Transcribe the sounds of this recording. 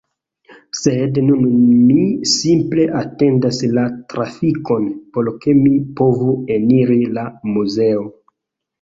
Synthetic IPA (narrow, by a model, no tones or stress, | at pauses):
sednunmisimple̞ʔate̞ndaslatɾafiko̞npo̞lke̞mipo̞vue̞niɾilamuze̞o